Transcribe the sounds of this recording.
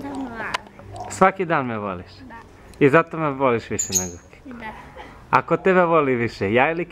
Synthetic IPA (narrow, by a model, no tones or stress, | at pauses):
sʋakid̪aːnmeʋo̰liʃ | izat̪omeʋoliʃʋiʃeneɡo | a̰kot̪ebeʋoliʋiʃejaːilik